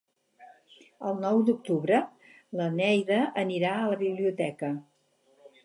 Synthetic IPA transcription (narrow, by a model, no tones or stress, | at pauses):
əlˠnɔwd̪uk̚t̪uβɾə | lənɛjðəʔəniɾaələβiβliut̪ɛkə